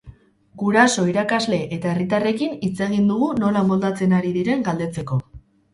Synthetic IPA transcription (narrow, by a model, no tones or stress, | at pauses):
ɡuɾaso̞iɾakazle̞ʔet̪ae̞rit̪are̞kinit͡se̞ɣind̪uɣuno̞lamold̪at͡se̞naɾiðiɾe̞ŋɡald̪e̞t͡se̞ko̞